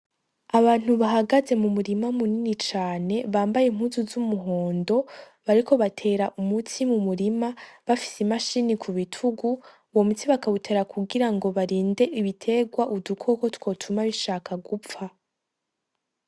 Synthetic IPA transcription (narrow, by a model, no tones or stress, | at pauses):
aβaːn̥huβaɦaɡaze̞mumuɾimamuninit͡ʃaːne̞βaːmbajem̥huːzuzumuɦo̞ːndo̞ | βaɾikʰo̞βatʰe̞ːɾaʔumutʰimumuɾimaβafi̥simaʃiːnikʰuβitʰuɡu | wo̞mutiβakaβutʰe̞ːɾakʰuɡiɾaŋɡo̞βaɾiːnde̞ʔiβitʰe̞ɡwaʔudukʰo̞ko̞two̞ːtʰumaβiʃaːkʰaɡupp͡fa